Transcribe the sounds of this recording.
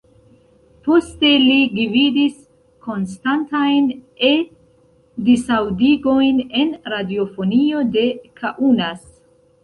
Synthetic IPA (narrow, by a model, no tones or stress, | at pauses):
po̞ste̞liɡividis | ko̞nstantajne̞ | disawdiɡo̞jne̞nɾadio̞fo̞nio̞de̞kʰaʔunas